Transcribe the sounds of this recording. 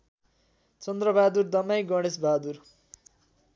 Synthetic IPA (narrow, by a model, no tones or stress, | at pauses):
t͡sʌnd̪rʌbad̪urd̪ʌmajɡʌɽ̃esbʱad̪ur